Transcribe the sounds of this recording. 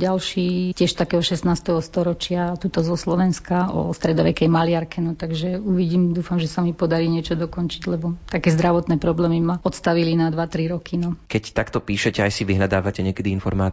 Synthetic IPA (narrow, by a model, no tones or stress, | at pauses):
ɟalʃiːcɪɛʃt̪akɛːɦɔʃɛsnaːst̪ɛɦɔst̪ɔɾɔt͡ʃɪat̪uːt̪ɔzɔslɔʋɛnskaɔ̰st̪ɾɛd̪ɔʋɛkɛjmalɪaɾkɛnɔt̪aɡʒɛuʋiɟiːmd̪uːfamʒɛsamipɔd̪aɾiːɲɪɛt͡ʃɔd̪ɔkɔnt͡ʃiɟlɛbɔt̪akɛːzd̪ɾaʋɔt̪nɛːpɾɔblɛːmimaɔt̪st̪aʋilinad̪ʋat̪ɾiɾɔkʰinɔkɛct̪akt̪ɔpiːʃɛcɛajsiʋiɦlʎad̪aːʋacɛɲɪɛkɛd̪iinfɔ̰ɾmaː